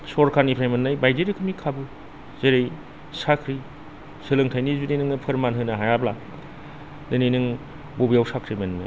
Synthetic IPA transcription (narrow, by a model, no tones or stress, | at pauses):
sɔɾkʰanipʰɾajmenːajbajdeɾikʰɯmikʰabɯ | z̥eɾej | sakʰɾi | sɯlɯŋtʰajnizunejnɯŋnɯpʰɯɾmanɦɯnɐɦajabla | dɯnejnɯŋ | bobiawsakʰɾimenmḭ